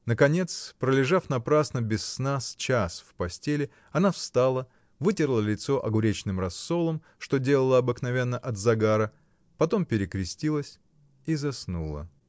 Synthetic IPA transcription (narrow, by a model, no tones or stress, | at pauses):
nəkɐnʲet̪spɾəlʲɪʐafnɐpɾasnəbʲɪsːnast͡ɕasfpɐsʲtʲelʲɪ | ɐnafst̪alˠə | vɨtʲɪrlˠəlʲɪt̪so̞ʔɐɡʊɾʲet͡ɕnɨmrɐsːo̞lˠəm | ʂt̪o̞dʲe̞lˠəlˠəɐbɨknɐvʲe̞nːəʔɐd̪zɐɡaɾə | pɐt̪o̞mpʲɪɾʲɪkɾʲɪsʲtʲilˠəsʲ | izɐsnulˠə̰